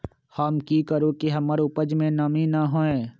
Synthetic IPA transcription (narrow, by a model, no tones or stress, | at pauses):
həmkiːkəɾokiɦɐməɾʊpəd͡ʒmẽnɐmĩnɐɦõːẽː